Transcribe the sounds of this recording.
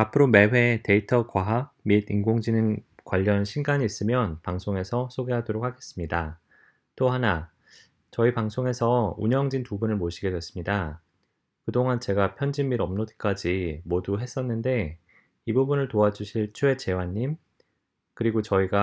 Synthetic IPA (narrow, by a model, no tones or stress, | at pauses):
apʰɯɾome̞we̞te̞itʰʌkwaɦaɡmidiŋɡoŋd͡ʑinɯnkwaʎːʌnɕʰinɡaɲiːs͈ɯmjʌnpaŋsʰoŋe̞sʰʌsʰoɡe̞ɦadoɾok̚ʰaɡe̞s͈ɯmɲida | t͈oɦana | t͡ɕʌipaŋsʰoŋe̞sʰʌṵɲʌŋd͡ʑinpubunɯɭmoɕʰiɡe̞dwe̞s͈ɯmɲida | kɯdoŋant͡ɕe̞ɡapʰjʌnd͡ʑinːiɾʌmnodk͈ad͡ʑimoduɦe̞s͈ʌnːɯnde̞ | ibubunɯɭtoad͡ʑuɕʰiɭt͡ɕʰue̞t͡ɕe̞waɲːim | kɯɾiɡot͡ɕʌiɡa